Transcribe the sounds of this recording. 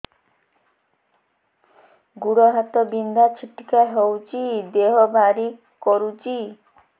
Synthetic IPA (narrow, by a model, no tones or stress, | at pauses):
ɡuɽɔɦat̪ɔbind̪at͡ʃʰiʈi̥kaɦewt͡ʃid̪eɦɔbʱaɾi | kɔɾut͡ʃi